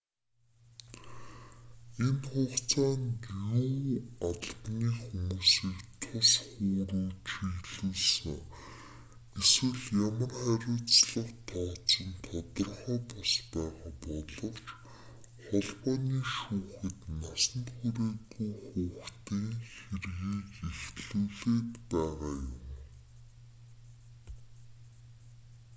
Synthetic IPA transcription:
enχʊːχt͡saːnjuːaɮpniːxumuːsiːkt̪ʰʊsχuːɾuːt͡ɕiɣɮuːɮsɘ̆ŋ | eswɘ̆ɮjamə̆rχæɾʲʊːt͡sɮə̆qt̪ʰɔːt͡sə̆nt̪ʰɔt̪ɞ̆rχɔːpɔspæːʁaːpɔɮɞ̆wt͡ɕ | χɔɮpɔːniːʃuːxɘ̆t̪nasə̆nt̪xuɾeːt̪ɣujχuːxt̪ʰiːŋxerɣiːkext̪ɮuːɮeːt̪pæːʁaːjʊm

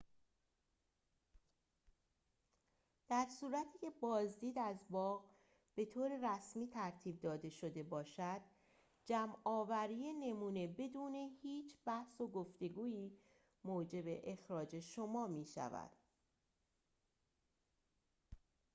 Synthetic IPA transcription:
d̪̥æɾsuːɾæt̪ʰiːcʰe̞bɒːzd̪iːd̪æzbɒːɣ | b̥e̞t̪ʰoːɾe̞ɾæsmiːt̪ʰæɾt̪ʰiːb̚d̪ɒːd̪e̞ʃo̞d̪e̞bɒːʃæd̪̥ | d͡ʒæmɒːvæɾiːjene̞muːne̞be̞d̪uːne̞hiːt͡ʃʰb̥æhso̞ɡoft̪e̞ɡuːiː | moːd͡ʒe̞be̞ʔexɾɒːd͡ʒe̞ʃo̞mɒːmiːʃæ̰væ̰d̪̥

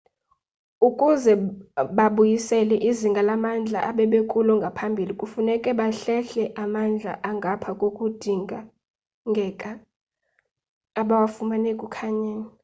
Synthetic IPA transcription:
ukʼuzɛɓaɓujisɛlɛʔiziŋɡʱalamand͡ɮʱa̰ʔaɓɛɓekʼulɔŋɡʱapʰambʱilikʼufunɛkʼɛɓaɬɛɬɛʔamand͡ɮʱa̰ʔaŋɡʱapʰakʼokʼud̥ʱiŋɡʱa | ŋɡʱɛkʼa | ɓawafumanekʼukʰaɲaːni

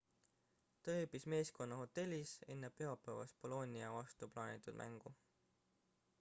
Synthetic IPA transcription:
t̪ɑeːbisme̞ːsko̞nːɑho̞t̪ːe̞lʲːise̞nːe̞pe̞ɑpːˑævɑ̰spo̞lo̞nʲiɑvɑst̪uplɑːnʲit̪ːˑud̪̥mæ̰ŋɡ̥u

